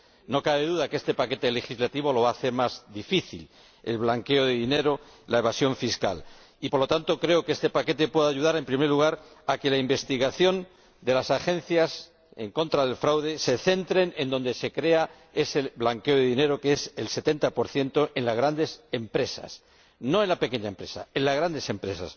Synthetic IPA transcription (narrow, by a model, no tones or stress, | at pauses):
no̞kaβe̞ðuðakeest̪e̞pake̞t̪e̞le̞xizlat̪iβ̞o̞lo̞βaːθe̞ɾmazðifiθḭl | e̞̰lβlaŋke̞o̞ðeðine̞ɾo̞laeβasjo̞ɱfiska̰l | ipo̞ɾlo̞t̪ant̪o̞kɾe̞o̞keest̪e̞pake̞t̪e̞pwe̞ðaːʝuðaɾe̞mpɾime̞ɾluɣ̞aɾake̞laimbe̞st̪iɣaθjo̞n | d̪e̞lasaxẽ̞n̟θjas | e̞̰ŋko̞nt̪ɾaðe̞lfɾawðe̞se̞θe̞nt̪ɾe̞nẽ̞nd̪o̞nd̪e̞se̞kɾe̞a | e̞seβlaŋke̞o̞ðeðine̞ɾo̞keeselse̞t̪e̞nt̪apo̞ɾθje̞nt̪o̞ʔe̞nlazɣ̞ɾand̪e̞se̞mpɾe̞sa̰s | no̞e̞nlape̞ke̞ɲaempɾe̞sa̰e̞nlazɣɾand̪e̞se̞mpɾe̞sa̰s